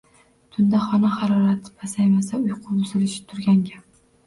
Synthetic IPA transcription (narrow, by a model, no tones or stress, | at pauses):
t̪ʰʊnd̪aχɒnahaɾɒɾat̪ʰɪ̥pasajmasaʊjqʰʊbʊzɪlɪʃɪ̥t̪ʰʊɾɡʲaŋɡʲa